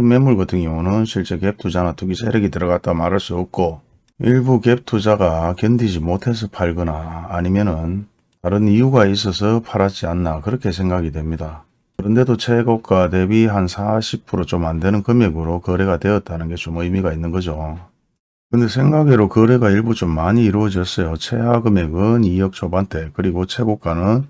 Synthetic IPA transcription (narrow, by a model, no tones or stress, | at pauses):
ɯmːe̞mːuɭkʌtʰɯŋjoŋunɯnɕʰiɭt͡ɕ͈e̞ke̞p̚tʰud͡ʑanatuɡisʰeɾeɡitɯɾʌɡat̚t͈amaɾaɭs͈uʌp̚k͈o | iɭbuke̞p̚tʰud͡ʑaɡakjʌndid͡ʑimotʰe̞s̬ʰʌpʰaɭɡɯnaːɲimjʌnɯn | taɾɯnijuɡais̬͈ʰʌsʰʌpʰaɾad͡ʑianːakɯɾʌkʰe̞s̬ʰe̞ŋɡaɡidwe̞mɲida | kɯɾʌnde̞dot͡ɕʰe̞ɡok͈ate̞biɦansʰaɕʰip̚pʰuɾot͡ɕomandwe̞nɯnkɯmeɡɯɾokʌɾe̞ɡadwe̞ʌt̚t͈anɯnɡe̞t͡ɕomɯjmiɡainːɯnɡʌd͡ʑo | kɯnde̞sʰe̞ŋɡaɡeɾokɯɾe̞ɡaiɭbut͡ɕomːaɲiːɾuʌd͡ʑʌɭs͈ʌjot͡ɕʰe̞ɦaɡɯme̞ɡɯnijʌk̚t͡ɕʰobantʰe̞kɯɾiɡot͡ɕʰe̞ɡok͈anɯn